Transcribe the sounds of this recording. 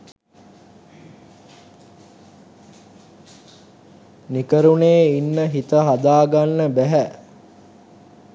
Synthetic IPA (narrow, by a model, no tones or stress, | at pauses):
nikəɾuneːinːəɦit̪əɦad̪aːɡanːəbæɦæ